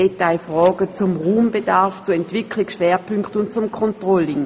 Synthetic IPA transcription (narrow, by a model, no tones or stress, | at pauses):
etaɪfʁɔːɡət͡sʊmʁuːmbedaɐft͡suɛntvʋ̥ɪkʰlɪkʃʋɛːɐpʰʏŋkχtʊnt̚t͡sʊmkʰɔntʁɔlɪŋ